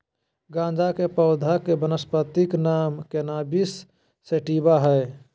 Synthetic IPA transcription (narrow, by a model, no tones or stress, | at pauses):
ɡãːnd͡ʒakepəʊd̪ʱakebənəspət̪iknaːmkenabisː | eʈiːbaɦɛe